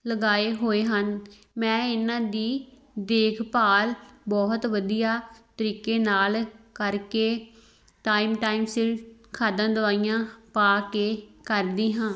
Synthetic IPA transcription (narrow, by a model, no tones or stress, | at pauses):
ləɡaːeːɦoːeːɦən | mɛ̃ːɪnãːd̪iː | d̪eːkʰpaːlbɔːɦt̪ʋəd̪ijaːt̪əɾiːkeːnaːlkəɾkeː | ʈaːimʈaːimsɪlkʰaːd̪ãːd̪ʊʋaːijãːpaːkeːkəɾd̪iːɦãː